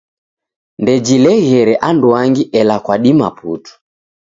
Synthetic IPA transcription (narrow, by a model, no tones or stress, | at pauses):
ndɛd͡ʒilɛɣɛɾɛʔanduaŋɡiʔɛlakwaɗima̰putu̥